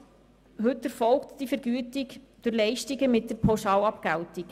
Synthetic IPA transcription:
hɵtɛɾfɔlktd̥ifəɾɡyətɪk | d̥ʊɾlɛɪʃtiɡəmɪt̚d̥əɾpʰoʃɑːlɑpɡæltik

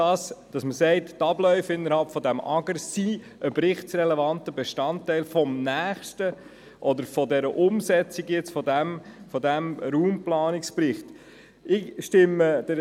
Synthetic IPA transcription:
dɑsd̥ɑsməsɛɪttɑblœʏfɪnːəɾhɑlpfɔdæmʔɑ̰ɡəɾsi | ʔəbɾɪχtsrɛlɛvɑntəbeʃtɑntːɛɪlfɔmnæːχʃtə | ʔɔd̪əɾfɔdɛɾəʔʊmsɛt͡siɡjɪt͡sfɔdæmfɔdæmɾuːmplɑːnɪksprɪχt | ɪʃtɪməd̥ə

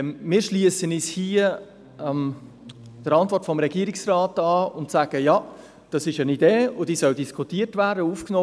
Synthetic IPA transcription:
mɪːɾʃliəsənishiə | m | d̥əɾɑntvɔɾtfɔmɾɛɡiːəɾiksraːtɑːʊntsæːɡ̥əjɑ | d̥ɑsɪʃənideːʊd̥iːsœldiskʰutiːətvæːrdəuːfknoː

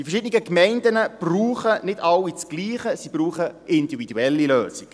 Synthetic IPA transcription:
d̥ifɛʃɪdniɡəkmɛɪndənəb̥ruːχənɪdɑwit͡sɡ̥liːχəsib̥ruːχəʔɪndividuɛlːiløːsik

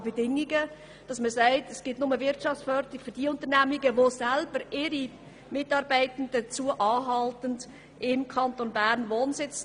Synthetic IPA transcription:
bedɪŋiɡə | d̥ɑsməsæɪtɛsɡ̥ɪtnʊməvɪɾtt͡ʃɑft͡sfœɾtɪkfyɾd̥iːəʊntəɾnæmiɡəʋosælb̥əɾɪɾi | mɪtɑːɾbæɪtən̩dət͡suəʔɑːɦɑltənd | ʔɪmkʰɑntonbæːɾnʋoːnsɪt͡s

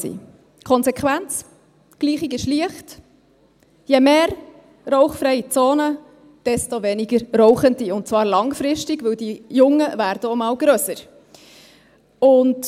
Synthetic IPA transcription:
sḭː | kʰɔnzɛkʰʋænt͡s | ɡ̥liːχiɡɪʃliəχt | jɛmeːɾ | rɔʊχfɾɛjit͡soːnə | d̥ɛstovɛniɡəɾrɔʊχəndiʊnt̚t͡svɑːɾlɑŋfɾɪʃtɪɡʋɵwdijʊŋːəvæːɾd̥əomɑːwɡ̥ɾøsəɾ | ʊnd

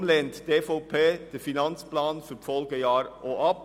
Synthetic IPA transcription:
mlɛnt̪d̥̪eːfoʊpʰeːd̪̥efɪnɑnsplɑːnfɔɾfɔlɡəjɑːɾʔoʔɑp

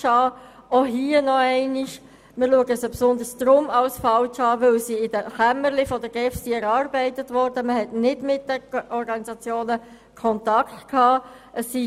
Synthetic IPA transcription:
ɑː | oɦiənɔɛɪnɪʃ | mɪːɾluəɡəsjapsʊnd̪əɾsd̪̥ɾʊmɑlsfɑwt͡ʃɑːʋɪlsiɪd̥əχæməɾlifɔd̥əɡ̥ɛfsiɛɾɑːɾbɛɪtətʋɔɾd̥əməhɛtnɪdmɪt̚d̥əʔɔɾɡɑnizɑt͡sjoːnə | kʰɔntɑktkʰhɑː | ʔəsːi

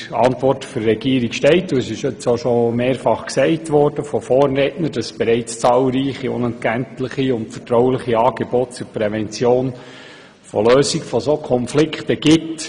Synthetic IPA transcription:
ɑ̰ntʋɔrtføɾːɛɡiːəɾikʃtɛɪtːusɪʃʏt͡soʃomeːɾfɑχksɛɪtʋɔrd̥əfɔfɔːrːetnəɾd̥ɑssb̥ɛɾɛɪt͡st͡sɑːlˠɾiːχiʊ̰nɛnt̚ɡæntləχiʊntfətɾɔwlɪχiɑːɡ̥ebɔt̚t͡sʊɾpɾɛʋɛnt͡sjoːn | fɔ̰løːsiɡfɔsokʰɔnflɪkχtəɡ̥ɪt

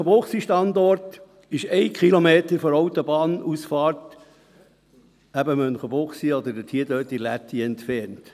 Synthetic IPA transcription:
əboχsiʃtɑndɔɾt | ɪʃɛɪkʰχilomeːt̪əɾfɔɾoʊt̪obɑːnusfɑːrt | æbəmœnχəbʊχsiɔd̪ədətʰiːdøːtilæt̪ʰiɛnt̪fɛɾnt

